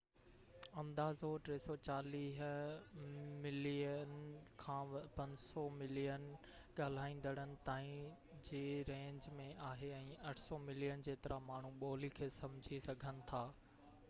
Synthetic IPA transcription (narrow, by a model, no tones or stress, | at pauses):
ɐ̃md̪aːzoʈɾeːsɔt͡ɕaːliːɦ | mɪlijənkʰãːpɐ̃ɲd͡ʑsɔmɪlijən | ɠaːl̤aːĩːn̆d̪əɽ̃ənɪ̆t̪aːĩ | d͡ʑeːɾẽːɲd͡ʑmẽʔaːɦeɛ̃ːɐʈʰsɔmɪlijənd͡ʑeːt̪ɪɾʔamaːɳ̤uɓoːlikʰeːsɐ̃md͡ʑʱisɐɡʱənɪ̆t̪ʰaː